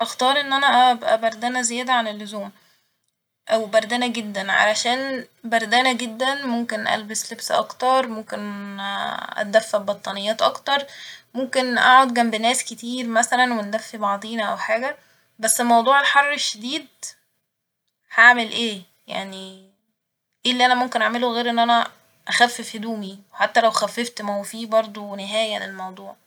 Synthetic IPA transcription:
ʔæxt̪ɑːɾˤʔenːʔænæʔæbʔæbæɾˤd̪æːnæzejæːd̪æʕanelːozuːm | ʔæwebæɾˤd̪æːnæɡed̪ːænʕa̰læʃæːn | bæɾˤd̪æːnæɡed̪ːænmomkenʔæ̰lbeslebsʔɑ̰kt̪ɑɾˤmomken | ʔæ̰d̪æfːæbɑt̪ˤːɑnejːæːt̪ʔɑkt̪ɑɾˤmomkenʔa̰ʕod̪̚ɡæmbenæːsket̪iːɾmæsælænwend̪æfːibɑʕd̪ˤiːnʔæ̰wħaːɡæ | bæsːelmɑwd̪ˤuːʕelħɑrˤːeʃːed̪iːd̪̚ | haʕmelʔeː | ja̰ʕni | ʔelːiʔænæmomkenʔaʕmeloɣeːɾʔenːʔænæ | ʔæxæfːefhed̪uːmiweħat̪ːælæwxæfːeft̪mæowfiːbɑɾˤd̪ˤoweneɦæːjænelmɑwd̪ˤuːʕ

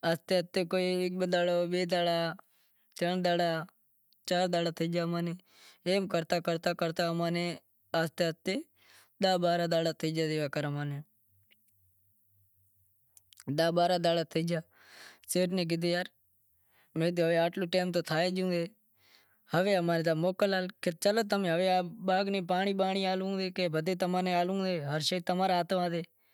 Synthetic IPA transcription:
ast̪eːət̪ːeːkoːiːɪk̚bəd̪aːɽoːbeːd̪aːɽaː | t̪ənd̪aːɽaː | t͡ʃaːɾd̪aːɽaːt̪ʰəd͡ʒaːmaːneː | eːmkəɾt̪aːkəɾt̪aːkəɾt̪aːmaːneː | əst̪eət̪eː | d̪aːbaːɾaːd̪aːɽaːt̪ʰəd͡ʒaːd̪eːʋaːkəɾaːmaːneː | ɗ̪aːɓaːɾaːd̪aːlaːt̪ʰɪd͡ʒaː | seːʈnẽːɡɪd̪eːjaːɾ | mẽːd̪ːɦəʋeːaːʈloːʈeːmt̪oːt̪ʰaːeːd͡ʒũːd̪eː | həʋeːəmaːneːd̪aːmoːkəlaːlket͡ʃəlot̪əmẽːɦəʋeːaɓaːɡneːpaːɳiːɓaːɳiːaːlũːd̪eːkebʱəd̪eːt̪əmãːneːaːlũːd̪eːɦəɾʃeːt̪əmaːɾaaːt̪ʋãːd̪eː

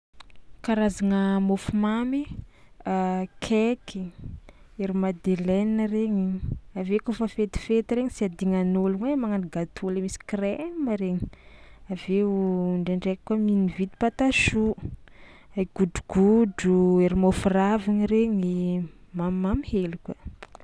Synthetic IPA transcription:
kaɾazaŋəmofumami | kʰeki | eɾimad̪eleninəreɲiavekufəfet̪i̥fet̪iɾeɲisiad̪iŋanoluŋwemaŋaniɡat̪ʰuləmisi̥krɛməɾeɲi̥aveɳɖ͡ʐeɳɖ͡ʐekkwaminivit̪i̥pat̪aʃu | ajɡ̥uɖ͡ʐuɡ̥uɖ͡ʐueɾimofuraviŋiɾeɲimammamihelukə

